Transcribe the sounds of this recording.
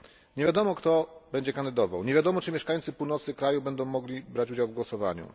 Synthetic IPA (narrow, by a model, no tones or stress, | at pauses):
ɲevʲjad̪ɔmɔkt̪ɔbɛɲd͡ʑɛkand̪ɘd̪ɔva̰wɲeɛvʲjad̪ɔmɔt͡ʂɘmʲjɛʂkajnt̪sɘpuwnɔt̪sɘkɾajubɛnd̪ɔ̃w̃mːɔɡlʲibɾat͡ɕud͡ʑawvɡwɔsɔva̰ɲṵ